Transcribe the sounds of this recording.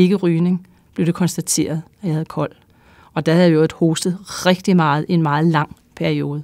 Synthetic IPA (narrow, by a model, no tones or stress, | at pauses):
e̝ɡ̥əʁyːne̝ŋ | b̥leʊde̝kʰɒ̽nsd̥æt͡sʰe̝̰ːɐð̞̩ˠæjɑ̈hæð̩ˠkʰɒ̽l̰ | ɒ̽d̥æhæðˠjjo̥ho̝ːsd̥ð̩ˠʁeɡ̥̚d̥imɑ̈ːð̞̩ˠie̝nmɑ̈ːð̞̩ˠlɑ̈ŋ̰ | pʰæɐio̝ːð̞̩ˠ